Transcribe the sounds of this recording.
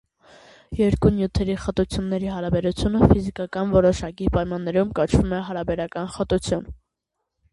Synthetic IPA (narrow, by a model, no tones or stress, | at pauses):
jɛɾkunjut̪ʰɛɾiχət̪ut͡sʰjunːɛɾiɦɑɾɑbɛɾut͡sʰjunəfizikɑkɑnvɔɾɔʃɑkipɑjmɑnːɛɾumkɑt͡ʃʰvumɛɦɑɾɑbɛɾɑkɑnχət̪ut͡sʰjun